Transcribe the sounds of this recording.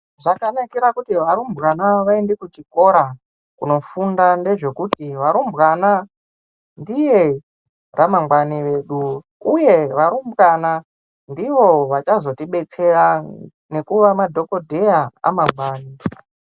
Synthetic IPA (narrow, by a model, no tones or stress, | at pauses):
ʐakanakiɾakutiʋaɾumbɣanaʋaendekut͡ʃiko̞ɾa | kuno̞fundande̞ʐe̞kutiʋaɾumbɣana | ndije̞ | rʔamamɡwaniʋeɗu | uje̞ʋaɾumbɣana | ndiʋo̞ʋat͡ʃazo̞tiɓe̞t͡se̞ɾa | ne̞kuʋamadʱo̞ko̞dʱe̞jaa̰mamɡwaːni